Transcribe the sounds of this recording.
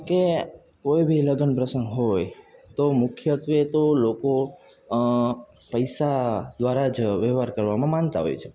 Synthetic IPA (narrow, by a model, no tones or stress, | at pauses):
ke | kojbʱiləɡənpɾəsənɡɦojt̪omʊkʰjət̪ʋet̪oloko | pəjsad̪ʋaɾad͡ʒʋɛʋaɾkəɾʋamãmãnt̪a̰ɦo̰jt͡ʃʰe̥